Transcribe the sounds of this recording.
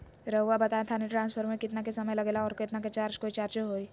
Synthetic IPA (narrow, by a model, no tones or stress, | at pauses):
ɾɐɦuːabɐt̪aːẽt̪ʰaniʈɾãːnspʰəɾmẽkɪt̪nakesɐməjlɐɡeːlaɔːɾket̪naket͡ʃaɾt͡ʃkoːit͡ʃaɾt͡ʃoɦoːi